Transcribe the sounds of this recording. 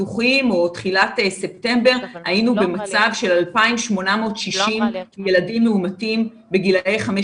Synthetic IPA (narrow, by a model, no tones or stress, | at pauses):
uχimo̞tχilatese̞p̚te̞mbe̞ʁhajinube̞mat͡savʃe̞lalpaimʃmo̞namo̞ːtʃiʃimjeladimːeumatim | beɡilejχame